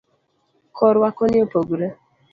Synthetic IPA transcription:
kʰɔɾwakɔnɪopoɡuɾe

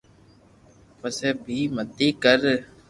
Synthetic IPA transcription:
pəseːbʱiːməd̪iːkəɾ

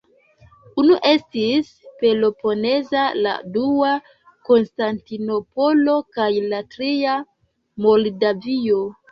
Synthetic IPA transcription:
unuʔe̞stis | pe̞lo̞po̞ne̞zala̰dua | ko̞nstantino̞po̞lo̞kajlatɾia | mo̞ldavio̞

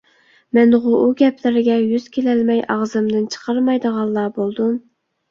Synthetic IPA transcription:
mɛnʁʊʔuɡʲɛpʰlɪɾɪɡʲɛjyz̥kʲʰelælmɛjʔɑʁzɨmd̪ɨnt͡ʃʰə̥qʰɑɾmɑjd̪əʁɑlˠːɑːbolˠd̪um

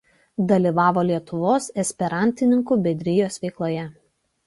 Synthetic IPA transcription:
d̪ɐlʲiːˑʋɑːʋoːlʲiɛt̪ʊʋoːsɛsʲpʲɛɾɑˑnʲt̪ʲɪnʲɪŋkuːˑbʲɛd̪ʲɾʲɪjoːsʋʲɛɪklˠoːjɛ

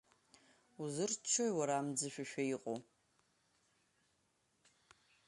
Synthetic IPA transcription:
uzɨrt͡ʃʷʰojwaɾaːmd͡zɨʃᶣaʃᶣaiqʼo

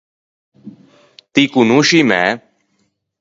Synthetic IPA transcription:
t̪iːkunũːʃimɛ̰

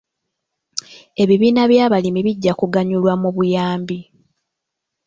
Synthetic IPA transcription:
e̞βiβiːnaβjaːβalimiβiɟːakuɡaɲulwamuβujaːmbi

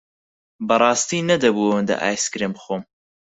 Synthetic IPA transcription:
bɐrˤɑːst̪iːnɐd̪ɐbuɐwənd̪ɐ̰ʔa̰ːjskɾeːmbɨxom

